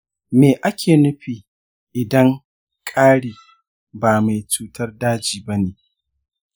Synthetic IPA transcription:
meː˨ʔa˦kʲʰeː˨nʊ˦ɸiː˨ | ʔɪ˨dɐ˦ŋ | kʼaː˦ɽiː˨ | baː˨ma˨jt͡ʃuː˦tɐ˦rdaː˦d͡ʒiː˨bɐ˦neː˨

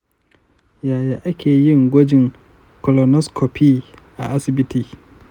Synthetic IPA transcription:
jaː˨jaː˨ʔa˦kʲeː˨jɪ˦˨ŋɡʷɔ˦d͡ʒɪ˨ŋ | kɔ˨lɔ˨nɔ˦skʰo˨pʰiː˦˨ʔa̰˨ʔa˦sɪ˨bɪ˦tiː˦

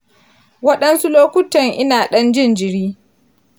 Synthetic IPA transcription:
wɐ˦ɗɐ˦nsu˦loː˦kʷʊ˦tɐ˨ŋʔɪ˦naː˨ɗɐ˦nd͡ʒɪ˦˨nd͡ʒɪ˨ɽiː˦

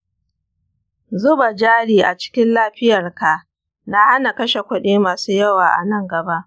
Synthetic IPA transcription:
zʊ˦ba˨d͡ʒaː˦ɽiː˨ʔa˨t͡ʃɪ̥˦kʲɪ˦nlaː˦ɸɪ˦jɐ˨rka˨ | na˦ha˦na˨kɐ˦ʃe˨kʷʊ˦ɗeː˦maː˨suː˦jɐ˦waː˨ʔa̰˨nɐ˦ŋɡɐ˨ba˦ʔ

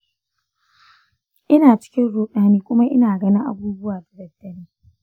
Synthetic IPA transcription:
ʔɪ˦naː˨t͡ʃɪ̥˦kʲɪ˦nɽoː˦ɗaː˦niː˦kʷʊ˦ma˦ʔɪ˦naː˨ɡɐ˦nɪ˦ʔa̰˦buː˦bʊ˦waː˨tɪ˨dɐ˨dːɐ˦niː˦

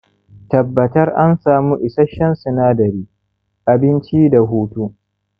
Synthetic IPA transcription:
tɐ˨bːɐ˨tɐ˦rʔa˦nsaː˨muː˦ʔɪ˨sɐ˦ʃɐ˦nsʊ˨naː˦dɐ˨ɾiː˦ | ʔa˨bɪ˦nt͡ʃi˦da˨ɦuː˦tu˦

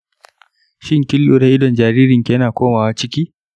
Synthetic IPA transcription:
ʃɪ˦ŋkʲɪ˦ljoː˨˦da˦ʔɪ˦dɔ˨nd͡ʒaː˨ɾiː˦ɾɪ˨ŋkʲe˨jɐ˦naː˨kʷoː˦maː˨wa˦t͡ʃɪ˦kʲiː˦

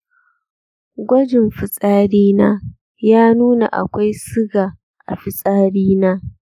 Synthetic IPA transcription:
ɡʷɐ˦d͡ʒɪ˨mɸɪ˨sʼaː˦ɽiː˦naː˦ | jaː˦nuː˦na̰˨ʔa̰˨kʷa˦jsɪ˦ɡaː˨ | ʔa̰˨ɸɪ˨sʼaː˦ɽiː˦naː˦

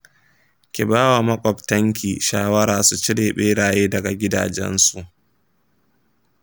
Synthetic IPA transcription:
kʲi˨baː˦wa˨mɐ˦kʷʼɔ˨btɐ˦ŋk̬ʲiː˨ʃaː˦wɐ˦ɾaː˨su˨t͡ʃɪ˦ɽeː˨ɓeː˦ɽaː˨jeː˦dɐ˨ɡa˨ɡʲɪ˦da̰ː˨d͡ʒɛ̰˦nsu˨ʔ

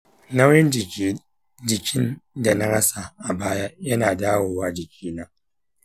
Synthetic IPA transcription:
na˦wjɛ˦nd͡ʒ | d͡ʒɪ˨kʲɪ˦nda˨na˦ɽɐ˦sa˨ʔa˨baː˦ja˦jɐ˦naː˨daː˦woː˨waː˦d͡ʒɪ˨kʲʰiː˦naː˦

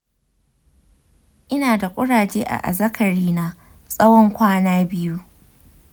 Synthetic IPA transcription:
ʔɪ˦naː˨da˨kʷʼʊ˦ɽaː˨d͡ʒeː˦ʔa̰˨ʔa̰˨zɐ˦kʰɐ˨ɾiː˦na˦ | sʼɐ˦wɔ˦ŋkʷaː˦naː˦bɪ˦ju˦

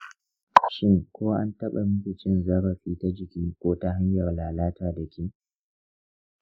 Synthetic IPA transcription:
ʃɪ˦ŋkʷoː˦wa˦ʔa̰˦ntɐ˦ɓa˨mʊ˦kʲi˨t͡ʃɪ˦nzɐ˦ɾɐ˨ɸiː˦ta˦d͡ʒɪ˨kʲiː˦kʷoː˦ta˦ɦa˦ɲjɐ˨rlaː˨laː˦taː˨dɐ˨kʰʲiː˦

